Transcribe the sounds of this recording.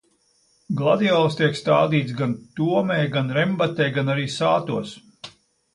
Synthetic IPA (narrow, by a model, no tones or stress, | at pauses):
ɡlˠad̪iɔlˠst̪iɛkst̪aːd̪iːt̪sɡant̪uɔmɛjɡanɾɛmbat̪ɛjɡanaɾiːsaːt̪uɔs